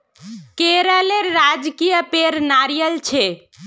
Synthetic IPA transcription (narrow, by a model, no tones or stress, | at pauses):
keɾəleɾːad͡ʒkijəpeɾnaɾijəlt͡ʃʰe